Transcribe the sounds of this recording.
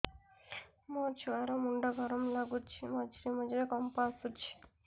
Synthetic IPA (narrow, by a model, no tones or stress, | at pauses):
mɔt͡ʃʰuaɾɔmuɳɖaɡʱɔɾɔmlaɡutt͡ʃʰimɔd͡ʒɾimɔd͡ʒɾekɔmpasut͡ʃʰi̥